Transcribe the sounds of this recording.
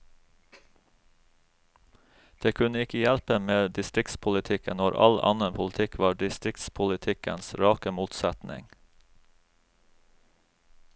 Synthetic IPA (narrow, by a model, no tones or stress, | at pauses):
d̪̥eːkʰʉnəɪkəjælpəmeːd̪ɪst̪ɾɪkt̪spʰʊlɪt̪ʰɪkə̰noːɾʔɑ̰lɑ̰nəpʰʊlt̪ʰɪkʰʋɑːɖɪst̪ɾɪkt̪spʰʊlɪt̪ʰɪkə̰nsɾɑːkəmuːt̪sæt̪nɪ̰ŋ